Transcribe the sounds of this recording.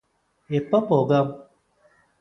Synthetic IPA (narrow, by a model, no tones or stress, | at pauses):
epɔpɔɡam